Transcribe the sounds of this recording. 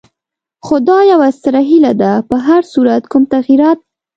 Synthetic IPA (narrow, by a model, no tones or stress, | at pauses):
xod̪ɑjawast̪əɾaɦilad̪apəɦaɾsuɾat̪kumt̪aɣiɾɑt̪̚